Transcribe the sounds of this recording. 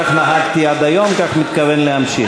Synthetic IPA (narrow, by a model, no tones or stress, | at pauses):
aχnaɦaɡt̪iad̪ajomkaχmit̪kavenleamʃi